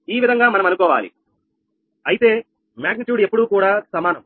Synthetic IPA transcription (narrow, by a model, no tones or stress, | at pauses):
iːʋid̪ʱɐŋɡaːmɐnɐmɐnukɔːʋa̰ːlḭ | ɐjit̪e̞ː | maːɡ̚niʈjuːɖepːuɽuːkuːɽaːsɐmaːnɐm